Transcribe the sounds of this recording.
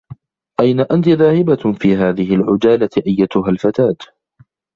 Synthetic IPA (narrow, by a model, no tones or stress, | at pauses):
ʔajnaʔant̪ɪðaːhɪbafiːɦaːðɪɦɪlʕʊd͡ʒaːlat̪ɪʔajːat̪ʊɦalfat̪aːd̪